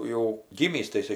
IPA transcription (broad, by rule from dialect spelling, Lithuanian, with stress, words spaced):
jɛʊ ˈɡʲiːmʲiːs tɐɪ ɪˈsɐɪ